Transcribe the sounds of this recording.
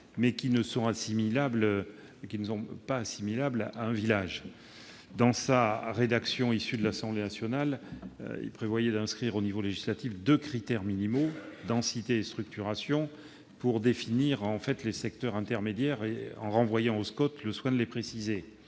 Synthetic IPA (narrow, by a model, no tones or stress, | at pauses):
mɛkʲinəsɔ̃asimilabl | kʲinəsɔ̃paːsimilablaɛ̃vilaʒ | d̪ɑ̃saʁed̪aksjɔ̃isyd̪əlasɑ̃blenasjɔnal̰ | ḭlpχevwajɛd̪ɛ̃skχiʁonivoleʒislat̪ifd̪økχit̪ɛʁminimod̪ɑ̃sit̪eːst̪χyk̚t̪yʁasjɔ̃ | puʁd̪efiniʁɑ̃fɛt̪lesɛkt̪œʁɛ̃t̪ɛʁmed̪jɛʁeɑ̰̃ʁɑ̃vwajɑ̃oskɔt̪ləswɛ̃d̪əlepχesize